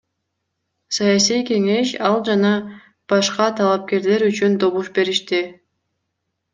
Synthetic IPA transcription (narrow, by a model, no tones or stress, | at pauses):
sɑjas̬ijke̞ŋe̞ʃɑlˠd͡ʒɑnɑ | b̥ɑʃqɑt̪ʰɑlˠɑp̚ke̞ɾle̞ɾyt͡ʃynd̪o̞βuʃbe̞ɾiʃt̪i